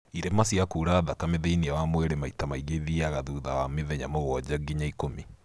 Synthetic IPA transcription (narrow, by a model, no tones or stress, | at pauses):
iɾemasiakuːɾaðakameðeiniawamwɛɾemaitamaiɣeðiaɣaðuːðawameðɛɲa̰moɣɔd͡ʑaɡiɲaikomi